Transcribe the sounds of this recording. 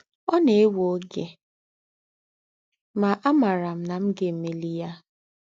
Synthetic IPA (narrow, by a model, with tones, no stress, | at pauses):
ɔ˦ne˨e˦wo˦ɡe˨ | ma˨ʔa˦ma˨ɾa˨m̩˦na˨m̩˦ɡe˦˨me˨li˦ja˦